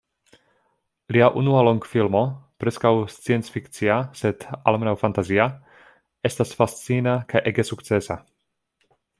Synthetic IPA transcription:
liaʔunualoŋɡfilmo̞pɾeskawst͡sient͡sfikt͡siased̪a̰lmenawfant̪azia | est̪asfast͡sinakʰajʔeɡesukt͡sesa̰

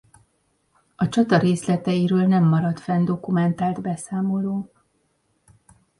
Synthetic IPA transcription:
ɒt͡ʃɒt̪ɒɾeːslɛt̪ɛjiɾøːlnɛmːɒɾɒt̪fɛnd̪o̞kumɛnt̪aːld̪bɛsaːmo̞loːk

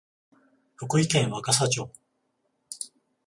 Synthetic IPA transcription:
ɸoko̟ikẽ̞ɰ̃βakasat͡ɕoː

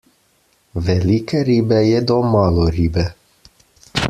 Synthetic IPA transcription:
velikəɾibɛjed̪omaloɾibe

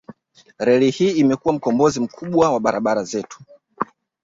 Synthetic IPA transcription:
ɾɛlihiːmɛkuwam̩kɔmbɔzim̩kʰuɓwawaɓaɾaɓaɾazɛtu̥

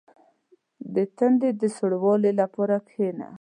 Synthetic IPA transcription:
d̪ət̪aɳɖed̪əsʊɽwɑlelapɑɾakʰena̰

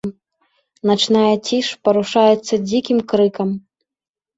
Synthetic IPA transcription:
nat͡ʂnajɐt͡sʲiʂpɐɾuʂajɛt̪sːɐd͡zʲikʲimkɾɨkɐm

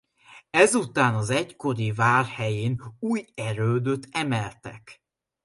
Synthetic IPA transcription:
ɛzut̪aːnɒzɛcko̞ɾivaːrhɛjeːnuːjɛɾøːd̪øt̪ʰːɛmɛlt̪ɛ̰k

